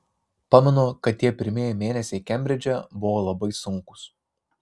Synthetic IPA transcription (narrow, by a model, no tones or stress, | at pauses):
pɑːmʲɛnoːkɐt̪̚t̪ːʲiɛpʲɪɾʲmʲeːjɛɪmʲeːnʲɛsʲɛɪkʲɛmʲbʲɾʲɪd͡ʒʲɛbʊʋoːlˠɐbɐɪsʊŋˑkʊ̥s